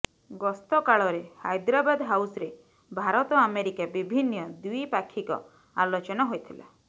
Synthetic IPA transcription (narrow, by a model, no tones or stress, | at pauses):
ɡɔst̪ɔkaɭɔɾeha̰jd̪ɾabad̪ɦawsɾe | bʱaɾɔt̪ɔameɾikabibʱinːɔd̪ujpakʰːikɔ̰ | a̰lot͡ʃɔnɔɦojt̪ʰila̰